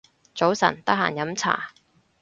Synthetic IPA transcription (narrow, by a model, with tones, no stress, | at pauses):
t͡so˨˥wsɐ̰˨˩nt̪ɐ˥k̚ha̰ː˨˩njɐ˨˥mt͡sʰa̰ː˨˩